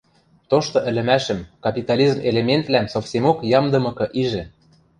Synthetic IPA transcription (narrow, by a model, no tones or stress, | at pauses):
t̪oʃt̪ŏʔɘ̆lʲɘ̆mæʃə̆mkɑpʲit̪ɑlʲizmelemʲent̪læmsofsʲemokjɑmd̪ɤ̆mɤ̆kɤ̆ʔiʒɘ̆